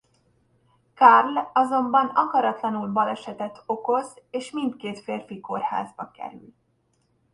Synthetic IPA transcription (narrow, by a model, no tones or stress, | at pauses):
kɒrlɒzo̞mbɒnɒkɒɾɒt̪lɒnulbɒlɛʃɛt̪ɛt̪o̞ko̞zeːʃmint̪keːt̪feːrfiko̞rha̰ːzbɒkɛ̰ɾy̰l